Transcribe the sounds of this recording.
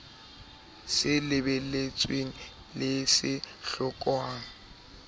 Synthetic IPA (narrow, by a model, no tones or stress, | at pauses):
sɪlɪbɛlet͡sʼweŋ̩ | lɪsɪ | ɬʊkʼwaːŋ̩